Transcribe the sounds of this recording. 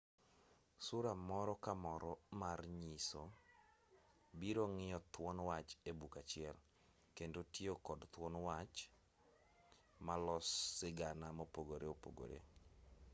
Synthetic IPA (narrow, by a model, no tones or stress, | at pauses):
sʊɾamɔɾɔkamɔɾɔmarɲiso | biɾoŋɪjɔt̪wɔnwat͡ʃebukat͡ʃɪɛl | kendotiokɔdt̪wɔnwat͡ʃ | malɔsːɪɡanamopoɡoɾeopo̰ɡo̰ɾḛ